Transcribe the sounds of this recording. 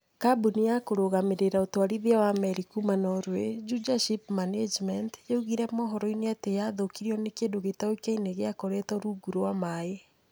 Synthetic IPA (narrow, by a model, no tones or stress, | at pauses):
kabunijakoɾoɣameɾeɾaotwaɾiðiawamɛɾikumanɔɾwed͡ʒud͡ʒaʃipmaned͡ʒmɛntjeuɣiɾɛmɔɦɔɾɔineatejaðokiɾiɔnekendoɣetaoikaineɣeakoɾɛtɔɾuɡuɾoamae